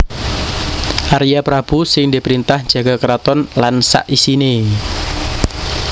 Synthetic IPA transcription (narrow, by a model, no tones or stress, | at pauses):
ʔaɾijapɾab̥usɪŋdipɾint̪ahd͡ʒ̥a̤ɡ̥akəɾat̪ɔnlansa̰ʔisine